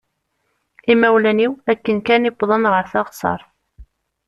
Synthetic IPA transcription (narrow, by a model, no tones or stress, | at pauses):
imæwlæniwækːənkænɪbðˤənʁəɾθɑʁsˤɑ̰ɾˤ